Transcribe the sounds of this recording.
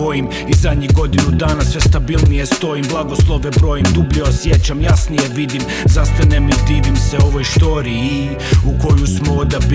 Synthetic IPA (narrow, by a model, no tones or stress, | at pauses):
ojim | izad̪ɲiɡo̞d̪inud̪aːnasʋe̞st̪abilˠnijest̪o̞imblˠaɡo̞slˠoʋebɾojimd̪ubʎeosje̞t͡ɕamjasnije̞ʋid̪im | zast̪anemet̪iːʋimseo̞ʋojʃt̪o̞ɾii | uko̞jusmood̪ab